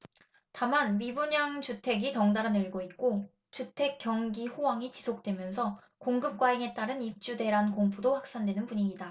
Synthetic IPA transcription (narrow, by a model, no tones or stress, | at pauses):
tamanmibuɲaŋt͡ɕutʰe̞ɡitʌŋdaɾɯnɯɭɡoit̚k͈o | t͡ɕutʰe̞k͈jʌŋɡiɸowaŋit͡ɕisʰok̚t͈we̞mjʌnsʰʌ | koŋɡɯp̚k͈waiŋe̞t͈aɾɯnip̚t͡ɕ͈ude̞ɾankoŋpʰudoɸwak̚s͈andwe̞nɯnpuɲiɲida